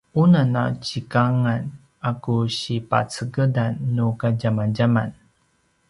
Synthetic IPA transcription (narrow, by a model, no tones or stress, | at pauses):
unana̰t͡ɕikaŋan | akuɕipa̰t͡səɡədanːukaɟamanɟaman